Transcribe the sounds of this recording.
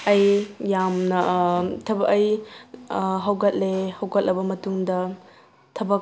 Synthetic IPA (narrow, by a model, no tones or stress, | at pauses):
ɐjjamnɐtʰɐbɐkɐj | ɦɐwɡɐt̚lehɐwɡɐt̚lɐbɐmɐtuŋdɐ | tʰɐbɐk